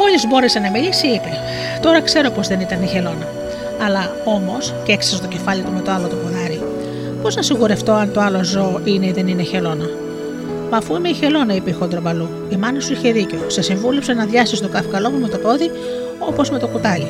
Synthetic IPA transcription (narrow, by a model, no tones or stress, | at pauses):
o̞ʎizbo̞ɾe̞se̞nɐmilisiipe | t̪o̞ɾɐkse̞ɾopo̞zðe̞nit̪ɐniçe̞lo̞nɐː | lɐ | o̞mo̞sceeksisot̪o̞ce̞fɐlit̪ume̞t̪o̞ɐlo̞t̪opuðɐɾi | po̞znɐsiɣuɾeft̪o̞ɐnt̪oɐlo̞zo̞ʔine̞iðe̞nineçe̞lo̞nɐ | mɐfuimeiçe̞lo̞nɐipixond̪ɾobɐlu | imɐnɐsuiçe̞ðiceosesiɱvulepsenɐðʝɐst̪ist̪okɐfikɐlo̞mume̞t̪o̞po̞ði | o̞po̞zme̞t̪o̞kut̪ɐli